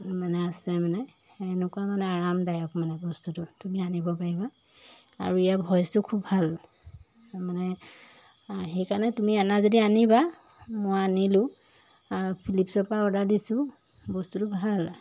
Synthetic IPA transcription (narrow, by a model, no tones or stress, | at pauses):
manɛasɛmanɛ | ɛnukuamanɛaɹamdajɔkmanɛbɔstutʊtumianibɔpaɹiba | a̰ɹuijabʱɔjstʊkʰubːʱal | manɛ | xejkanɛtumianazodianiba | mɔjanilʊ̃ | pʰilipsɔpaɔdadisʊ̃ | bɔstutʊbʱal